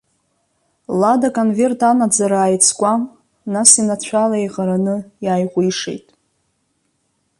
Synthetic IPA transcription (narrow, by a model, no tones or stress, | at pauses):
ladakʼonve̞rtʰanad͡zaɾaːjt͡sʰkʷʼa | nasinat͡ɕʷʰalaejʁaɾanɨjaːjʁʷiʂḛjtʼ